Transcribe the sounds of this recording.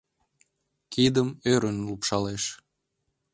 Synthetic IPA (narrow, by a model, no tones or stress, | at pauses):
kid̪əmøɾənlupʃɑleʃ